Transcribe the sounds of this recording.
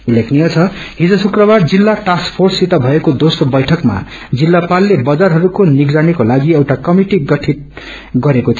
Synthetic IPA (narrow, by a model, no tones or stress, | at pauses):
ulekʰnijʌt͡sʰʌɦid͡zʌsukrʌbard͡zilːaʈaskpʰorsit̪ʌbʱʌekod̪osrobʌjʈʰʌkma̰ | d͡zilːapalːebʌd͡zarɦʌɾukoniɡd͡zanikolaɡiewʈakʌmiʈiɡʌʈʰit̪̚ | ɡʌɾekot̪ʰ